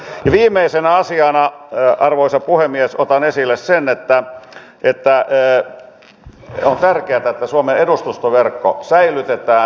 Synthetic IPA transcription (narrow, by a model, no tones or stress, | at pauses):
jɑʋiːmːˑeisenæɑsiɑːnɑɑrʋoisɑpuhemːiesot̪ɑnesilːessenet̪ːæ | ʔet̪ːæː | ont̪ærkeæt̪æet̪ːæsuomeedust̪ust̪oʋerkːo̰sæilyt̪et̪æː